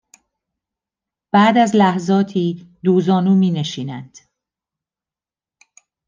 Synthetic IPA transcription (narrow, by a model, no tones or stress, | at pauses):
b̥æːd̪æzlæhzɒːt̪ʰiːd̪uːzɒːnuːmiːne̞ʃiːnænd̪̥